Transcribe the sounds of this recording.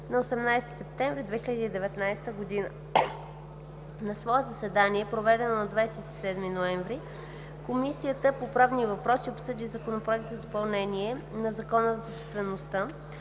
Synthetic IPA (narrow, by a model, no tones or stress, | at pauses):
nɐosɛmnajst̪i̥sɛp̚t̪ɛ̃ɱvɾid̪vɛxiləd̪iːd̪ɛvɛt̪najst̪əɡod̪inə | nɐsvɔɛt̪zɐsɛd̪aniɛpɾovɛd̪ɛnonɐd̪vajsɛt̪i̥sɛd̪minoɛɱvɾi | komisijət̪əpopɾavnivɐpɾɔsiopsɤd̪izɐkonopɾoɛk̚t̪zɐd̪opɐlˠnɛniɛnɐzɐkɔnəzɐsopst̪vɛnost̪a